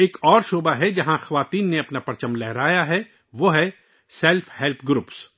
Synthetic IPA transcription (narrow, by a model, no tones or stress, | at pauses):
eːkɔːɾʃoːbaɦɛd͡ʒɐɦãxɐʋaːt̪iːnːeɐpnapɐɾt͡ʃəmlɛɦɾaːjaɦɛ | ʋoɦɛ | sɛlfʰhɛlpʰɡɾuːps